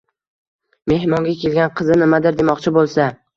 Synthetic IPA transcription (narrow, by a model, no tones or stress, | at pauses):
me̞hmɒŋɡʲakʲe̞lɡʲanqʰɨzɪnɪmad̪ɪɾd̪e̞mɒqt͡ʃʰɪbolˠsa